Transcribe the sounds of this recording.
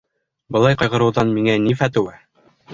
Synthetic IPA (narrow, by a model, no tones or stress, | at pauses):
bɤ̆lˠɑjqɑjʁɤ̆ɾɤ̆wðɑnmiŋænifæt̪ɘ̆wæ